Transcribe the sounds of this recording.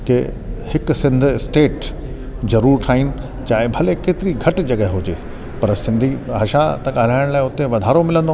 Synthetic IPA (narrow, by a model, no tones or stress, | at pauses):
kehɪksɪ̃nd̪ʱɪsʈeːʈ | zɐɾuːɾʈʰaːinɪ̆ | t͡ɕaːɪ̃bʱɐlekeːt̪ɪɾiɡʱɐʈd͡ʑɐɠəɦeɦʊd͡ʑeː | pɐɾsɪ̃nd̪ʱiɦɐʃat̪ɐkaːɾaːɪɽ̃laːɪʊt̪ẽʋɐd̪ʱaːɾomɪlə̃nd̪o